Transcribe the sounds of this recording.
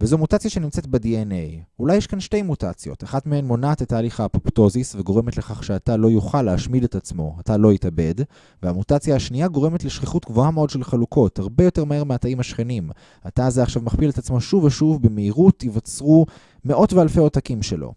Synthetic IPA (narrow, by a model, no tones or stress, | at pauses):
vezomutat͡sjaʃe̞nimt͡se̞tbedienejulajːeʃkanʃte̞jmuta̰t͡sjo̞̰taχadmehenmo̞natetaːliχapopto̞zisve̞ɡo̞ʁemetle̞χaχʃeatalo̞juχalːeaʃmidetat͡smo̞atalo̞itabe̞d | veamutat͡sjaːʃniaɡo̞ʁe̞me̞tleʃχiχutɡvo̞ameo̞dʃe̞lχalukʰo̞thaʁbe̞jote̞ʁmaheʁmeataimhaʃχe̞nim | atazeaχʃavmaχpiletat͡smo̞ʃuveʃuvbemeiʁutivat͡sʁu | me̞ʔo̞tvealfe̞otakimʃe̞lo̰